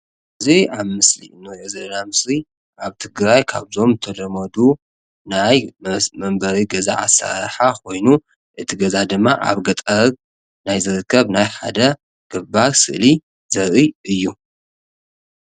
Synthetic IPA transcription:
ʔɨziaβmɨslḭnojezɨʔnamɨsli | ʔaβt̪ʰɨɡɾajkʰaβzo̞mt̪ʰɐd̪ɐmɐd̪u | najmɐmbɐɾiɡɐza̰ʕa̰sa̰ɾħakʰo̞jnu | ʔɨt̪ʰiɡɐzad̪ɨmːaʔa̰βɡɐt̪ʼɐ | najzɨɾɨkːɐβnajħa̰d̪ɐ | ɡ̥ɨbasɨ̰ʔli | zɐɾʔɨɨjːu

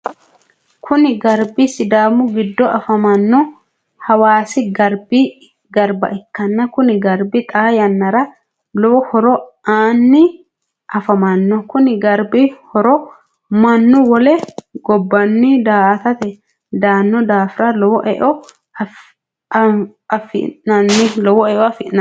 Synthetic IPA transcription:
kʰʊnɪɡɐɾbisɪd̪aːmʊɡɪd̪ːɔʔɐfɐmɐnːɔ | hɐwaːsɪɡɐɾbi | ɡɐɾbɐ̰ʔɪkːɐnːɐkʊnɪɡɐɾbɪt̪ʼaːjɐnːɐɾɐ | lɔɔhɔɾɔaːnːɪ | ʔɐfɐmɐnːɔkʊnɪɡɐɾbɪhɔɾɔ | mɐnːʊwɔleɡɔbːɐnːid̪aːt̪ɐt̪ɛ | d̪aːnːɔd̪aːfɾaːlɔwɔʔɛʔɔ | ɐfɪ̰nɐnːɪlɔwɔɛʔɔɐfɪnɐ

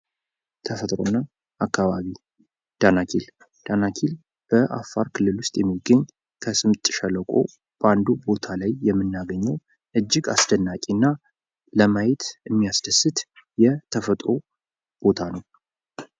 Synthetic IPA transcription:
t̪ʰəfət̪ʼɾo̞nːa | ʔakːaβaβi | d̪̥anakʰil | d̪̥anakʰil | b̥əʔa̰fːaɾkʰɨlːɨlwʊst̪ʼjɛmːiɡəɲː | kʰəsɨmt̪ʼːʃələkʷʼo̞̰ | b̥əand̪ubo̞t̪ʰalajːɛmːɨnːaɡəɲːɛw | ʔɨd͡ʒːɪɡasd̪ənːakʼinːa | ləmajɛt̪ʰɨmːijasd̪əsːɨt̪jɛt̪ʰəfət̪ʼɾo̞ | b̥o̞t̪ʰanəw

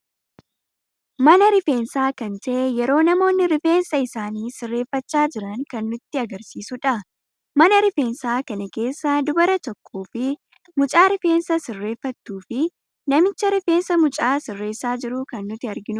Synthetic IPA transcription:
mɐnɐɾɪfe̞ːnsaːkɐnt̪ɐʔɛjɛɾo̞ːnɐmo̞ːnːɪɾɪfe̞ːnsɐɪsaːniːsɪrːe̞ːfːɐt͡ʃːaːd͡ʒɪɾɐŋkɐnːʊt̪ːɪɐɡɐɾsiːsʊᶑɐ | mɐnɐɾɪfe̞ːnsaːkɐnɐke̞ːsːad̪ʊbɐɾɐt̪ɔkʰːoːfɪ | mʊt͡ʃʼaːɾɪfe̞ːnsɐsɪrːe̞ːfːɐt̪ːuːfɪ | nɐmɪt͡ʃːɐɾɪfe̞ːnsɐmʊt͡ʃʼaːsɪrːe̞ːsaːd͡ʒɪɾʊkɐnːʊt̪ɪɐɾɡɪnʊ

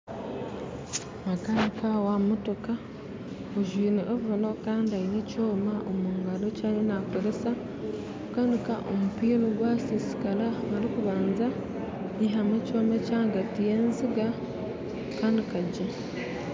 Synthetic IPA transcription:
makanikawamotoka | oʒwiːniʔoβuɾono̞kaːndiainecoːmaʔomuŋɡalocaːnenakoɾesa | kukanikaʔo̰mupiːloɡwasisi̥kalaaɾikuβaːnza | iɦamecoːmecaːŋɡatijeːnziɡa | kandikaɟe

